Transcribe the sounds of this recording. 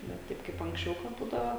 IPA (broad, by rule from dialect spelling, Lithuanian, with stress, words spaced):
nʲɛ ˈtɐɪp kɐɪp ɐŋksʲˈt͡ʃʲɛʊ kɐ ˈbuːdɐʋɐ